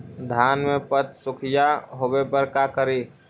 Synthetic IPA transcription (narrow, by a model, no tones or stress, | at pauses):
d̪ʱaːnmepət̪sʊkʰijaɦobepəɾkakəɾi